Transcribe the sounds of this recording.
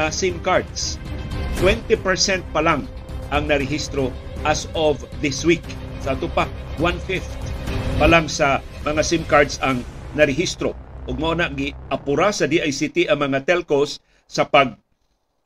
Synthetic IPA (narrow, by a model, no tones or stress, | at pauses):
asimkaɹd̪st̪wɛnt̪ɛpɛɹsɛnt̪̚palaŋ | ʔaŋnɐɾɪɦist̪ɾo | ʔasɔv | ðɪswiksaʔːt̪ʊpawanfɪft̪palaŋsa | mɐŋasimkaɹd̪saŋnaɾɪɦist̪ɾoʔʊɡ̚ŋaʔonaʔɡɪʔapʊɾasɐd̪iʔajsit̪iʔɐŋmɐŋat̪ɛlkosː | ɐpaɡ̚